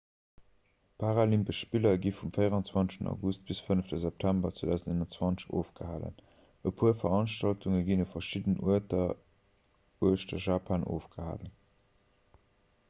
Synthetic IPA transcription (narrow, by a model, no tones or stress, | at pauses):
pʰaʁalimbəʃpilɐɡifumfəɪəʁɑnt͡swɑnsʃtənɑ̰ɡust̚b̥isfənəftəzɛp̚tʰæmbɐt͡sweːdæʊzndenɑnt͡swɑnt͡səʃo̰ːfɡ̥əha̰ːlə̰n | əpʰuːɐfɐʁɑnʃtɑltuŋəɡinufɐʃidənʔuətɐ | uəʃtɐʒaːpʰanʔo̰ːfɡ̥əha̰ːlən